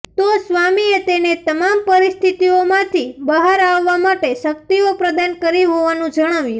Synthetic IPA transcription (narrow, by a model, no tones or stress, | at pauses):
t̪osʋamiet̪enet̪əmampəɾist̪ʰit̪iomãt̪ʰibəɦaɾaʋːamaʈeʃək̚t̪iopɾəd̪ankəɾiɦoʋanũd͡ʒəɽ̃aʋjũ